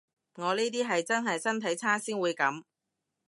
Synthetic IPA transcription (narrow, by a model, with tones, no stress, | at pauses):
ŋɔː˨˧niː˥t̪̬iː˥ɦɐ˨jt͡sɐ˥nɦɐ˨jsɐ˥nt̪ʰɐ˨˥jt͡sʰaː˥siː˥nwuː˨˧jkɐ˨˥m